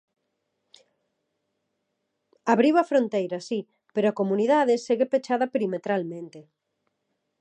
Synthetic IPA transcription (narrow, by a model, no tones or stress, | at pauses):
aβɾiβɐfɾont̪ejɾɐsi | peɾoakomuniðaðeseɣepet͡ʃað̞ɐpeɾimet̪ɾalmẽnt̪e